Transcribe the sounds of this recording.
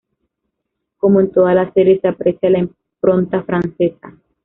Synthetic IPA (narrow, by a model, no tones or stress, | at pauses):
komunt̪oalaseɾesapɾesjalaim | pɾont̪afɾansesa